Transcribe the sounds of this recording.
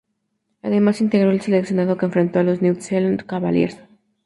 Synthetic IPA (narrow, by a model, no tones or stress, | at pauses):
a̰ðe̞masint̪e̞ɣɾo̞else̞leksjo̞naðo̞keɱfɾe̞nt̪o̞alo̞znewt̪selonkaβaljḛɾs